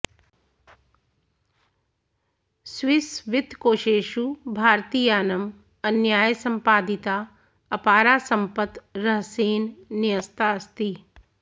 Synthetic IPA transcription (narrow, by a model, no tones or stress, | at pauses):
sʋɪsʋɪt̪koːʃeːʃubʱaːɾt̪iːjaːnəm | ɐnjaːjsɐ̃mpaːd̪ɪt̪aː | ɐpaːɾaːsɐ̃mpət̪ɾɐɦseːnnɪjəst̪aːst̪i